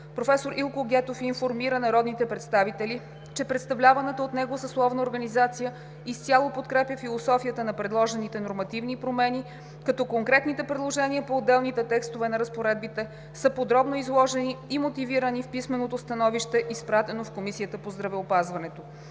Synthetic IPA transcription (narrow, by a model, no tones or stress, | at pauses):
pɾofɛsoɾʔilˠkoɡʲɛt̪ofinfoɾmiɾənɐɾɔd̪nit̪ɛpɾɛt̪st̪avit̪ɛli | t͡ʃɛpɾɛt̪st̪ɐvlʲavɐnɛt̪əot̪nɛɡosəslˠɔvnəoɾɡɐnizat̪sijə | ist̪ʲjalˠopot̪kɾɛpjəfilˠosɔfijət̪ənɐpɾɛd̪lˠɔʒɛnit̪ɛnoɾmɐt̪ivnipɾomɛni | kɐt̪ɔkoŋkɾɛt̪nit̪ɛpɾɛd̪lˠoʒɛniəpoːd̪ːɛlˠnit̪ɛt̪ɛkst̪ovɛnɐɾəspoɾɛd̪̚bit̪ɛ | səpod̪ɾɔbnoizlˠɔʒɛniːmot̪iviɾənifpismɛnot̪ost̪ɐnɔviʃt̪ɛʔispɾat̪ɛnofkomisiət̪əpozd̪ɾɐvɛopazvɐnɛt̪o